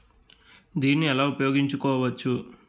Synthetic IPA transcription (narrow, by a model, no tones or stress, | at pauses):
d̪iːnːiɛlaːupɐjoːɡiɲt͡ʃukɔːʋɐt͡ʃːu